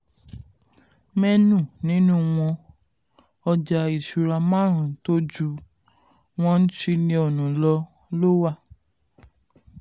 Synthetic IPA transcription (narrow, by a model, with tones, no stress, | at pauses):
mɛ˦nũ˦˨nĩ˦nũ˦˨w̃ɔ̃˧ | ɔ˧d͡ʒa˧i˨ʃu˨ɾa˧mã˦˨ɾ̃ũ˨to˦d͡ʒu˧˦ | w̃ɔ̃˧n̩˦ʃi˧nĩ˧o˨nũ˨lɔ˧ | lo˦wa˦˨